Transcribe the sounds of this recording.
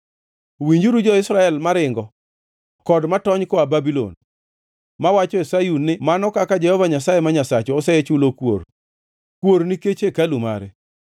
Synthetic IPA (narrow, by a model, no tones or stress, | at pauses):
wiɲd͡ʒuɾud͡ʒɔɪsɾaɛlmaɾɪŋɡɔ | kɔdmatɔɲkɔababilo̰n | mawat͡ʃɔesajunːɪmanɔkakad͡ʒɛhɔvaɲasajemaɲasat͡ʃɔːsɛɛt͡ʃulokwo̰r | kwoɾniket͡ʃekaluma̰ɾɛ